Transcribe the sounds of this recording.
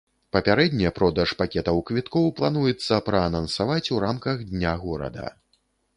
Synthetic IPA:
pɐpʲaɾɛd̪ʲnʲɛpɾɔd̪ɐʂpakʲɛt̪ɐwkvʲit̪kɔwplˠanujɛt̪sːɐpɾɐːnɐnsavat͡sʲuɾamkɐɣd̪ʲnʲaɣɔɾɐ̰d̪ɐ̰

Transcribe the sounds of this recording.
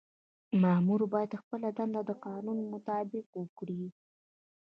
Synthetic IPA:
mamuɾobɑjad̪xpəlad̪and̪ad̪əqɑnunmʊt̪ɑbɪqwəkɽi

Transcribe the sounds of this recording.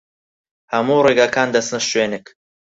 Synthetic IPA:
hɐmuːreːɡaːkʰaːnd̪ɐsnɨʃʃweːnɨk

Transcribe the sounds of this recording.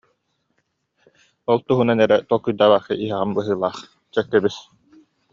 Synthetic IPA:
ɔlˠt̪uɦunanɛɾɛt̪ɔkːujd̪aːβaχḭʔiɦɛʁambɯɦɯːlˠaːχ | t͡ɕœk̪ːɛbis

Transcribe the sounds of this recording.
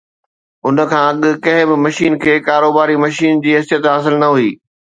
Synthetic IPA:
ʊnə̆kʰãːɐɠɪ̆kɐ̃ɦɪ̃bɪmɐʃiːnkʰeːkaːɾoːbaːɾimɐʃiːnd͡ʑiːɦɐsjət̪ɦaːs̬ɪlnɐɦuiː

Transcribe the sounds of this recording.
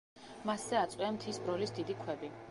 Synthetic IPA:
maszɛat̪sʼwiamt̪ʰisbɾɔlisd̪id̪ikʰwɛbi

